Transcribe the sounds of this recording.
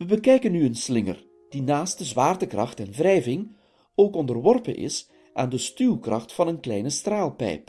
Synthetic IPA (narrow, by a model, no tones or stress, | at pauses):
ʋəbəkɛjkənːyənslɪŋə̰r | d̥inaːst̚dəzʋaːrtəkrɑ̰χtɛnvrɛjvɪŋ | oːkɔndərʋɔrpə̰nʔɪ̰s | ʔaːndəstyːlˠkrɑχtfɑnənklɛjnəstraːlˠpɛ̰jp